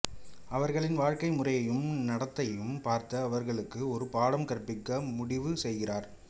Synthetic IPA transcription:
ɐʋɐɾɣɐɭɪnʋaːɻkɐɪmʊrɐjɐjɯmnɐɽɐt̪ːɐjɯmpaːɾt̪ɐːʋɐɾɣɐɭɯkːɯɔɾɯpaːɽɐmkɐɾpːɪkːɐmʊɽɪʋɯsɛjɣɪraːɾ

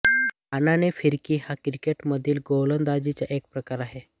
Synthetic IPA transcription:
ananefiɾkiːhakɾikeʈməd̪ʱiːlɡowlənd̪ad͡ʑit͡ɕja̰ʔek̚pɾəkaɾaɦe

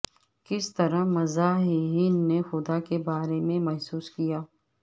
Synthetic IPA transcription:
kɪst̪ɐɾəmɐzaːɦiɦiːnːexʊd̪akebaːɾemẽmɐɦsuːskijaː

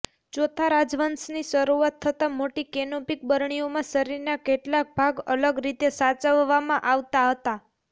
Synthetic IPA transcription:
d͡ʒot̪ʰaɾad͡ʒʋənsniʃəɾuat̪ʰːət̪amoʈikenopik̚bəɾɳiomãsəɾiɾnakeʈlak̚bʱaɡələɡɾit̪esat͡ʃəʋːamãʔaʋt̪aɦət̪a

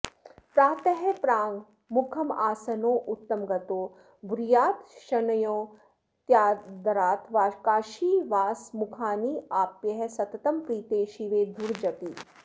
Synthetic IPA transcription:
pɾaːt̪ɐɦɛpɾaːŋɡ | mʊkʰɐmaːsɐnõːʔʊt̪ːɐmɡɐt̪oː | bɾijaːt̪ʃɐnɐjõː | t̪jaːd̪ɐɾaːt̪ʋaːkaːʃiːʋaːsmʊkʰaːniːaːpjɐɦɛsɐt̪ɐt̪ɐmpɾiːt̪eːʃiʋeːd̪ʱuɾd͡ʒɐt̪iː

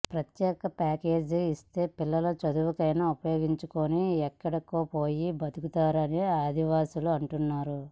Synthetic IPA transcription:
pɾɐt̪jɛːkɐpaːke̞ːd͡ʒist̪e̞ːpilːɐlɐt͡ʃɐd̪uʋɐkɐjnaupɐjo̞ːɡiɲt͡ʃukoniɛkːɐɽɐkoːpoːjibɐd̪ukut̪aːɾɐniaːd̪ʱiʋaːsuluɐɳʈunːaːɾu

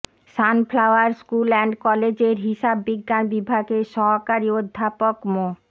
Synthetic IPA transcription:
ʃanflawaɾskulɛɳɖkɔled͡ʑeɾɦiʃabːiɡːanbibʱaɡeʃɔɦokaɾiod̪ʱːapokmo

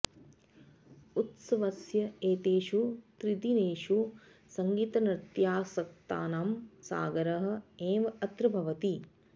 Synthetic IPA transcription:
ut̪sɐʋɐsjɐeːt̪eːʃut̪ɾid̪ineːʂu | sɐŋɡiːt̪ɐnɾɪt̪jaːsɐk̚t̪a̰ːnaːmsa̰ːɡɐɾɐɦɐ̆eːʋɐɐt̪ɾɨbʱɐʋɐt̪i

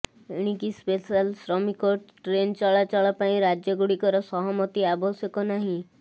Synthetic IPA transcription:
eɽ̃ikispesalsɾɔmikoʈʈɾent͡ʃaɭat͡ʃaɭɔpaĩɾad͡ʒjɔɡuɽikɔɾɔsɔɦɔmɔt̪iabɔsjɔkɔnaɦĩ

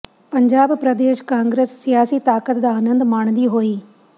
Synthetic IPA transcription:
pəɲd͡ʒaːbpɾəd̪eːʃkãːŋɡɾeːsːɪjaːsiːt̪aːkət̪d̪aːnə̃nd̪maːɳ̃d̪iːɦoːiː

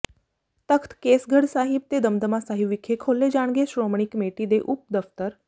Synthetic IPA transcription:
t̪əkʰt̪keːsɡʱəɽsaːɦɪb̚t̪ed̪əmd̪əmãsaːɦɪʋɪkʰekʰoːled͡ʒaːɽ̃ɡeʃɾoːmɽ̃ɪkmeːʈid̪eʔʊp̚d̪əft̪əɾ

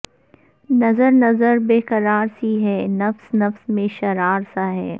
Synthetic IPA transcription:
nɐzəɾnɐzəɾbeːqɐɾaːɾsiɦɛːnɐfsnɐfsmẽʃɐɾaːɾsaɦɛː

